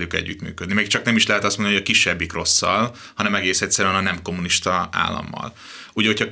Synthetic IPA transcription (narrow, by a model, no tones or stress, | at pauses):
ljukɛ̰ɟːyt̪my̰ːkød̪nimɛkt͡ʃɒknɛmiʃlɛɦɛt̪ɒst̪mond̪nihojɒkiʃːɛbːikro̞sːɒl | hɒnɛmɛɡeːsɛcʲsɛɾːnɒnɛmko̞mːuniʃt̪ɒa̰ːlːɒ̰mːɒ̰l | uːɟɒɦo̞cʰɒ